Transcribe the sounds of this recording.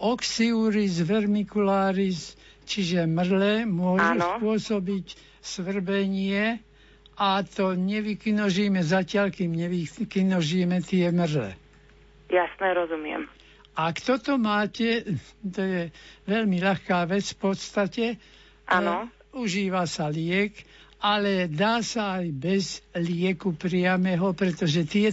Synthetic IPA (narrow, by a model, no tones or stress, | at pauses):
ɔksiuɾizʋɛɾmikulaːɾis | t͡ʃiʒɛmrlɛmʊɔʒuspʊɔsɔbic | sʋr̩bɛɲɪɛ | at̪ɔɲɛʋikinɔʒiːmɛzacɪalkiːmɲɛʋikinɔʒimɛt̪ɪɛmrlɛ̰ | jasnɛɾɔzumɪɛ̰m | ʔakt̪ɔt̪ɔmaːcɛt̪ɔjɛʋɛlmiʎaxkaːʋɛt͡sfpɔt̪st̪acɛ | ʔan | uʒiːʋasalɪɛkalɛd̪aːsaajbɛzlɪɛkupɾɪamɛːɦɔpɾɛt̪ɔʒɛt̪ɪɛ